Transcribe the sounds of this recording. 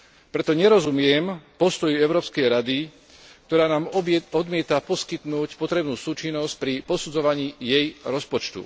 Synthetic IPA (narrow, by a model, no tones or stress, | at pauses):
pɾɛt̪ɔɲɛɾɔzumɪɛmpɔst̪ɔjuɛʊɾɔːpskɛjɾad̪i | kt̪ɔɾaːnaːmɔd̪mɪɛt̪apɔskit̪nuːcpɔt̪ɾɛbnuːsuːt͡ʃinːɔsc̚pɾipɔsud͡zɔʋaɲiːjɛjɾɔspɔt͡ʃt̪ṵ